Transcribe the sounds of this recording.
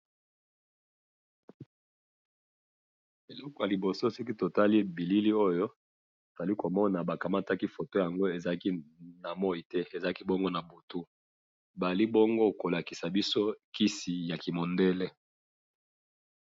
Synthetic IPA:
e˨lɔ˦kɔ˨ja˨li˨bo˨so˦si˦ki˦to˨ta˦li˦bi˨li˦li˦o˦jo˦ | to˨z̥a˨li˦ko˨mɔ˦na˨ba˨ka˨ma˦ta˦ki˦fo˨to˦ja˨ŋɡo˦e˨za˨˦ki˦na˨mɔ˦i˨tɛ˦e˨za˨˦ki˦bɔ˦ŋɡo˦na˨bu˨tu˦ | ba˨li˦bɔ˦ŋɡo˦ko˨la˨ki̥˨sa˨bi˦so˦ki˦si˨ja˨ki˨mo˨ndɛ˦lɛ˦

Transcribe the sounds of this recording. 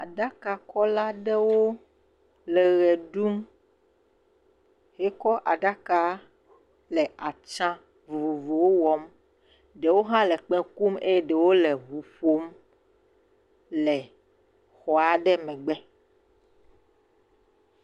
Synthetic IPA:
a˨ɖa˦ka˨kɔ˦la˦ɖɛ˦wo˦ | lɛ˨ɣɛ˨ɖu˦m | ɦɛ˦kɔ˦ʔa̰˨ɖa˦ka˦ | lɛ˨ʔa˨t͡ʃã˦ | vu˨vu˨vo˨wo˦wɔ˦m | ɖe˨wo˦ɦã˦lɛ˨k͡pɛ˦ku˦me˦jɛ˦ɖɛ˨wo˦le˨ɦu˨ɸo˦m | lɛ˨ | xɔ˨a˨ɖɛ˦mɛ̃˨ɡ͡bɛ˦

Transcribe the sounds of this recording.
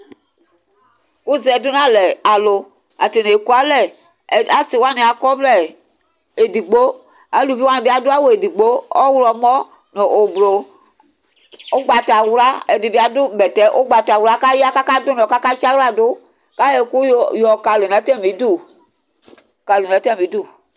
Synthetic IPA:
ku˦zɛ˨dʊ˦nã˦lɛ˨a˨lo˨ | a˨te˨ne˨e˨ku˦a˦lɛ˨ | a˨si˨wa˦ne˨a˨kɔ˦blɛ˦˨ | e˨di˨ɡ͡bo˦ | a˨˦lu˨fi˦wa˦ne˨bi˦a˦dʊ˦a˦wo˨e˨di˨ɡ͡bo˦ɔ˦wɾɔ˨mɔ˦ | nɔ˨ʔo˨bɾo˨ | o˦ɡ͡ba˨ta˨wɾa˦ɛ˨di˨bi˦a˦dʊ˦bɛ˨tɛ˦ʔo˦ɡ͡ba˨ta˨wu˦ɾa˦ka˦ji˦a˦ka˦ka˦dʊ˦nɔ˨ka˦ka˦t͡ʃa˦wa˨do˦ | ka˦jɛ˨ku˦˨jɔ˨ka˨lo˨n˨ɛ˨˦tɛ˦˨mi˨˦du˦˨ | ka˨ln˨ɛ˨˦tɛ˦˨mi˨˦du˦˨

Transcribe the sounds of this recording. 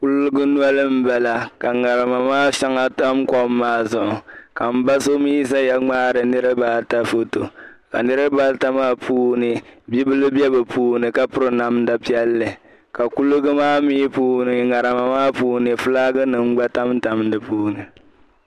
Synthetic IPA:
ku˦lɨ˦ɡɨ˦n˦ɔ˦lɨ˦m̩˦bɛ˨la˨ka˨ŋa˨ɾɨ˨ma˨maː˦ʃa˦ŋa˦ta˦mkɔ˦mː˦aː˦zʊ˨ʔʊ˨ka˨m̩˦ba˦so˦mi˦s̬a˦ja˦ŋ͡maː˦ɾɨ˨nɨ˦ɾɨ˦baː˦ta˦fo˦to˨ka̰˨nɨ˦ɾɨ˦ba˦lta˦maː˦pʰuː˦nɨ˨bi˦bɨ˦lɨ˦bɛ˦bɨ˨pʰuː˦nɨ˨ka˦pʊ˦ɾɨ˨na˦mda˨pi˦ɛ˦lːɨ˨ | ka˨ku˦lɨ˦ɡɨ˦maː˦miː˦puː˦nɨ˨ŋa˨ɾɨ˨ma˨maː˦puː˦nɨ˨fɨ˦laː˦ɡɨ˦nɨ˨ŋ̩˦ɡ͡ba˦ta˦mta˦mdɨ˨puː˦nɨ˨

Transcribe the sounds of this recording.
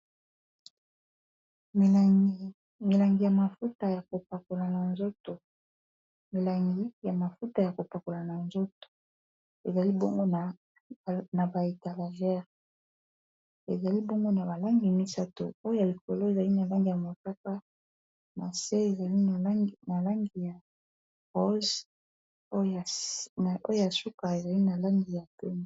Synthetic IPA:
m˨ | mi˨la˨ŋɡi˨ja˨ma˨fu˦ta˨ja˨ko˨pa˨ko˨la˨na˨nzo˦to˨ | mi˨la˨ŋɡi˦ja˨ma˨fu˦ta˨ja˨ko˨pa˨ko˨la˨na˨nzo˦to̥˨ | e˨za˨li˦bo˦ŋɡo˦˨ | na˨ba˨e˨ta˨la˨ʒɛ˦ʁ | ḛ˨za˨li˦bo˦ŋɡo˦na˨ba˨la˦ŋɡi˨mi˦sa˦to̰˨o˦jo˦ja˨li˨ko˨lo˦e˨za˨li˦na˨la˦ŋɡi˨ja˨mo˨ka˦ka˦ | na˨se˦e˨za˨li˦˨˦na˨la˦ŋɡi˨ja˨ | ʁo˦z | o˦jo˦ja˨su˦ka˨e˨za˨li˦na˨la˦ŋɡi˨ja˨pe˦n˨

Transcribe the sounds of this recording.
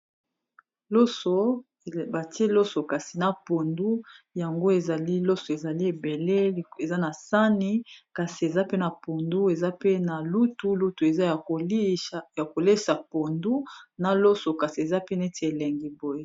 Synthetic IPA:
lo˦so˨ | ba˨ti˦e˦lo˦so˨ka˨si˨na˨po˨ndu˦ja˨ŋɡo˦e˨za˨li˦lo˦so˨e˨za˨li˦e˨be˨le˦˨e˨za˦na˨sa˦ni˦ka˨si˨e˨za˦pe˦na˨po˨ndu˦e˨za˦pe˦na˨lu˦tu˦lu˦tu˨e˨za˦˨o˨˦ja˨ko˨le˦sa˨po˨ndu˦na˨lo˦so˨ka˨si˨e˨za˦pe˦ne˦te˨e˨lɛ˨ŋɡi˨bo˨je˦

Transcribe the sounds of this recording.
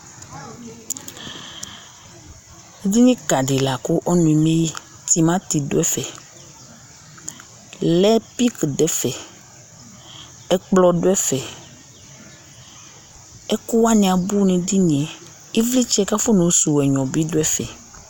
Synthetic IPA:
d̪i˦ɲĩ˦ka˨ɖi˨la˨ko˦ʔɔ˦nũ˨i˨mẽ˦ji˦ | t̪i˨mã˦t̪i˨do˦ɛ˦fɛ˨ | lɛ˦pi˦kɖɛ˦fɛ˨ | ɛ˦k͡plɔ˦ɖo˦ɛ˦fɛ˨ | ɛ˦ku˦wa˦ɲĩ˨ã˨bu˦nẽ˨d̪i˦ɲĩ˨ɛ˨ | e˦vli˦t͡ʃɛ˦ka˦fo˦nõ˨˦su˨wɛ˨ɲɔ̃˨bi˦do˦ɛ˦fɛ˨

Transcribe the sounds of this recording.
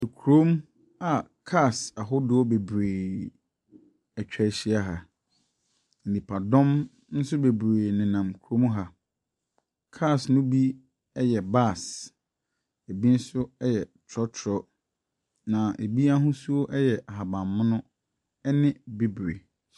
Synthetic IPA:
kʰu˨ɾõ˦m | a˨kʰa˦˨sa˨ɦʊ˦dʊ˦ɔ˦be˨bɾeː˨ | ɛ˨t͡ɕᶣɛ˦˨ɕi˦a˦ɦa˨ | n̩˨nĩ˨pʰa˨dɔ̃˦m | n̩˦sʊ˦be˨bɾeː˨nɪ̃˨nã˨mkʰu˨ɾõ˦m˦ɦa˨ | kʰa˦˨snʊ̃˦bi˦ | ɛ˦jɛ˨ba˦˨s | e˨bi˦n̩˦sʊ˦ɛ˦jɛ˨tʰɔ˦tʰɾɔ˦ | nã˨ʔe˨bi˦a˦ɦʊ̃˦su˦o˦ʔɛ˦jɛ˨ʔa˨ɦa˨bã˨mːʊ̃˦nʊ̃˦ | ɛ˦nɪ̃˦be˨bɾḛ˨

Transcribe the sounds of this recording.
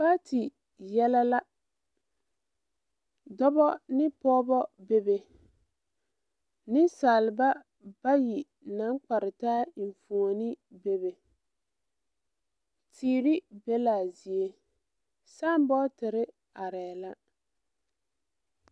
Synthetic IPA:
ba˦tʰɪ˨ | jɛ˦la˦la˦ | dɔ˦bɔ˦nɪ˦pɔː˦bɔ˦be˦be˨ | nɪ˦saː˨lɪ˨ba˦ | b̥a˦ji˨ | na˨˦ŋk͡pa˨ɾɪ˨taː˦˨ɱ˨fu˨o˨nɪ˦be˦be˨ | tʰiː˨ɾɪ˦be˦la˨zi˨e˦ | sa˦˨m˦bɔ˦tɪ˨ɾɪ˦ | a˨ɾɛː˨la˦

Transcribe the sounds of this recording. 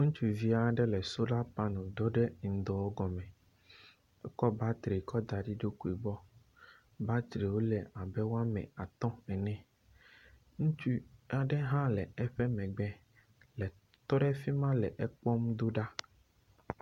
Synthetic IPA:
ŋũ˦t͡ʃu˦vi˦a˨ɖɛ˦lɛ˨so˦la˦pa˦nɔ̃˨d̪ɔ˦ɖɛ˦ŋ̩˨d̪ɔ˨wɔ˦ɡɔ˨mɛ̃˨ | ɛ˦kɔ˦ba˦t̪ɾe˨kɔ˦d̪a˨ɖi˦ɖo˦ku˨i˨bɔ˦ | ba˦t̪ɾe˨wo˦lɛ˨a˨bɛ˦wo˦a˦mɛ̰̃˨a˨t̪ɔ̃˦ɛ˨nɛ̃˨ | ŋũ˦t͡ʃu˦a˨ɖɛ˦ɦã˦lɛ˨ɛ˦ɸɛ˦mɛ̃˨ɡ͡bɛ˨ | lɛ˨ | t̪ɔ˦ɖɛ˦fi˦mã˦lɛ˨ʔɛ˦k͡pɔ˦m˦d̪o˦ɖa˦

